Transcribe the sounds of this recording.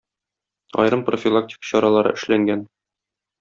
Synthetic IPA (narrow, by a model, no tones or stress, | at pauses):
ɒ̰jɾɤmprofʲilˠak̚tʲi̥kə̥ɕɒɾɑlˠɑɾɤ̰ʔɘ̆ʃlæŋɡæn